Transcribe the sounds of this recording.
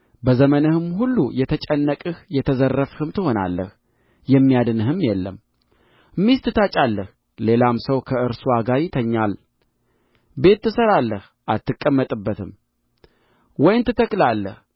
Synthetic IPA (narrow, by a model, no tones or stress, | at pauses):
bəzəmənɨhɨmhulːujɛt̪ʰət͡ʃʼɛnːəkʼɨhjɛt̪ʰəzərːəfhɨmt̪ʰɨho̞na̰lːə̰h | jɛmːijad̪ɨnɨhɨmjɛlːəm | ɨmːist̪ʰɨt̪ʰat͡ʃʼalːəh | le̞lamsəwkʰəɨɾsuaɡaɾit̪ʰəɲːal | be̞t̪ːɨsəɾalːəh | ʔalt̪ːɨkʼːəmːət̪ʼɨbːət̪ʰɨm | wɔjnt̪ʰɨt̪ʰəkʼlalːə̰h